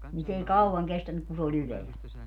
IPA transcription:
nin s ei kɑuwɑŋ kestænyk ku se ol yleæl

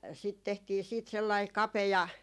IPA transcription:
sit tehtiː siːt selːɑi kɑpejɑ

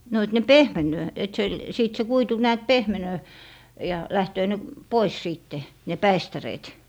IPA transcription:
no et ne pehmenˑøː et se siˑt se kuitu næːt pehmenøː jɑ læhtøː ne pois siːtːe ne pæistæreːt

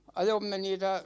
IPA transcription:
ɑjomːe niːtæ

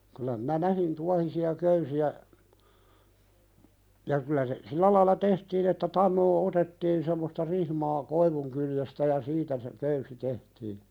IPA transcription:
kylˑæ minæ næhin tuɑhisiɑ køysiæ jɑ kylæ se silːæ lɑilɑ tehtiːn etːæ tɑnːoː otetːiːn semːostɑ rihmɑː koiʋuŋkyljestæ jɑ siːtæ se køysi tehtiːn̥

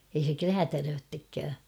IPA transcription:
ei se kræːtærøːtːekːæː

